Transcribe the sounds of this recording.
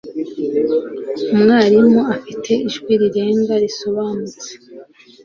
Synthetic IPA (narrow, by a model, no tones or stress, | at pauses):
umŋaːɾimoafitʰe̞ʔiʒɡwiɾiɾe̞ːŋɡaɾiso̞βaːnut͡se̥